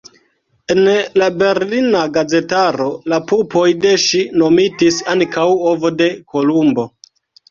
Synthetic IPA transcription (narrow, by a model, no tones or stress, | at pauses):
enlabe̞ɾlinaɡaze̞taɾo̞lapupo̞jde̞ʃino̞mitisaŋkawovo̞de̞kʰo̞lumbo̞